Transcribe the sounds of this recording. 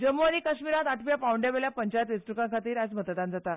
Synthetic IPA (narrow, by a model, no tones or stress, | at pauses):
d͡ʑəmuaɾiːkəɕmiɾãt̪aʈʰʋjapawɳɖeʋeljapəɲt͡ɕajət̪ʋisʈɾukãŋkʰat̪iːɾad͡zmət̪əd̪ãnd͡zat̪a